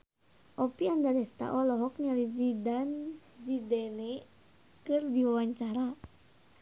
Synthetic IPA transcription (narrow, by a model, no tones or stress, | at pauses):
ʔɔpiandadɛst̪a̰ʔɔlɔɦɔk̚ɲalizidan | zidɛnɛ | kɨrdiwawaɲt͡ʃaɾa